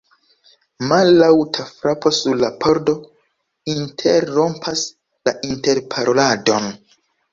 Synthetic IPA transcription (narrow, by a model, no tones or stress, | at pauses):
malːawtʰafɾapo̞suɾlapʰo̞ɾdo̞ | intʰeɾːo̞mpʰas | laʔinte̞ɾpʰaɾo̞lado̞n